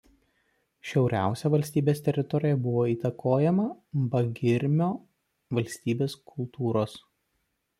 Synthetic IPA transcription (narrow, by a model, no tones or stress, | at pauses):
ʃʲɛʊɾʲæ̰ˑʊsʲɛʋɐlʲsʲt̪ʲiːbʲeːst̪ʲɛɾʲɪt̪ɔɾʲɪjɛbʊʋoːiːt̪ɐkʰoːjɛmɐbɐɡʲɪɾʲmʲoː | ʋɐlʲsʲt̪ʲiːbʲeːskʰʊlˠt̪ʰuːɾoːs